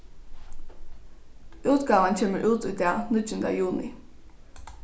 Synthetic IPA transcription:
ʉːt̪ɡ̥ɑːʋənt͡ɕʰeːməɹʔʉːt̪uːd̪ænɪt̪ənd̪əjuːnɪ

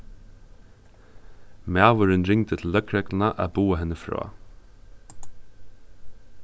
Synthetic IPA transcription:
mæːʋʊɾɪnɾɪŋt̪ət̪ʰɪl̩ːœkʰɾɛklɪnaʔa̰buːaɦɛnːəfɾɔ̰ː

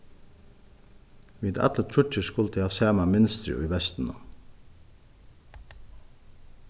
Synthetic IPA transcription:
ʋiːd̪ɑ̰t̪lət̪ʰɾʏt͡ʃəskʊlt̪ʰɪhɑːsæːmamɪnst̪ɾɪ̰ʊ̰iːʋɛst̪n̩ə̰

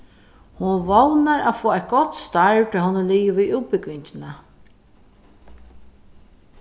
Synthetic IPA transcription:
hʊnvownaɾa̰foːajt̪̚ɡɔt̪st̪aɹt̪ʰɔɦʊnːəliːʋɪviðuːt̪̚pɪkʋɪɲt͡ʃɪna

